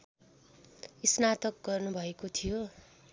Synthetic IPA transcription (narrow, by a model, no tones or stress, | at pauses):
isnat̪ʌk̚ɡʌrnubʱʌekot̪ʰijo